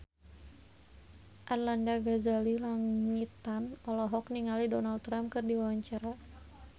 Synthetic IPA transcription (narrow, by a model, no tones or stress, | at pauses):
ʔarlandaɡazalilaŋit̪anɔlɔɦɔkniŋalidɔnald̪̚t̪ːɾamp̚kɨrdiwawaɲt͡ʃaɾa